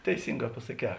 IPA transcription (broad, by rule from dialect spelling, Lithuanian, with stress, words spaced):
tʲɛɪˈsʲɪŋˌɡɑː pɐsɐˈkʲɛː